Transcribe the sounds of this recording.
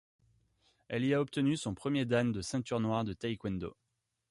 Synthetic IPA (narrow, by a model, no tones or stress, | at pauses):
ɛliaɔp̚t̪ənysɔ̃pχəmjed̪and̪əsɛ̃t̪yʁnwaʁd̪ət̪ajkwɛ̃nd̪o̰